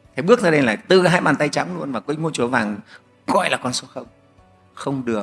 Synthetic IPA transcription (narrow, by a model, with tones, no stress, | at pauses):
t̪ʰe˨˦ɓɨ˦˥ək̚zaː˧ɗe˧jlaː˨˩jt̪ɨ˨˩ɦaː˧jɓaː˨˩nt̪a˧jt͡ɕa˨˦mlu˧ənvaː˨˩kwmo˧t͡ɕu˨˦vaː˨˩ŋ | ɣɔ̰˧˨jlaː˨˩kɔ˧nso˨˦˥xə˧wŋ͡m | xə˧wŋ͡mɗɨ˨˩ə